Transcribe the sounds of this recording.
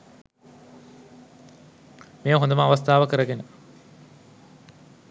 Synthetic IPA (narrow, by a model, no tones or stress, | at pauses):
meːɐɦond̪ɐmɐːʋɐst̪ʰaːʋɐkəɾɐɡenə